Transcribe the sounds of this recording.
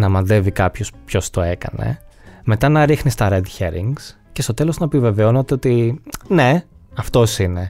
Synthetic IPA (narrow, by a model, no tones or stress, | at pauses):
nɐmɐnðe̞vikɐpço̞spço̞st̪o̞e̞kɐ̰ne̞̰me̞t̪ɐnɐɾixnist̪ɐɾed̪çeɾḭŋɡs | ce̞st̪o̞t̪e̞loznɐepive̞ve̞o̞not̪eot̪ine̞ɐft̪o̞sine̞